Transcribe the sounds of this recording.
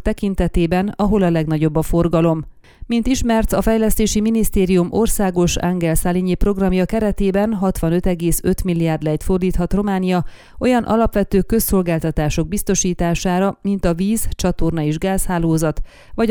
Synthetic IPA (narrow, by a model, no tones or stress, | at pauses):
t̪ɛkint̪ɛt̪eːbɛnɒɦo̞lɒlɛɡnɒɟo̞bːɒfo̞rɡɒlo̞m | mint̪iʃmɛrt̪ɒfɛjlɛst̪eːʃiminist̪eːɾijumo̞rsaːɡo̞ʃaŋɡɛlsaliɲipro̞ɡrɒmjɒkɛɾɛt̪eːbɛnɦɒt̪ʋɒnø̞t̪ɛɡeːsø̞t̪milːijaːrd̪lɛjt̪fo̞rd̪iːt̪hɒt̪ro̞maːnijɒ | ʔo̞jɒnʔɒ̰lɒpʋɛt̪øːkø̞sːo̞lɡaːlt̪ɒt̪aːʃo̞ɡ̚bist̪o̞ʃiːt̪aːʃaːɾɒmint̪ɒviːzt͡ʃɒt̪o̞rnɒeːʒɡaːshaːloːzɒt̪ | vɒɟ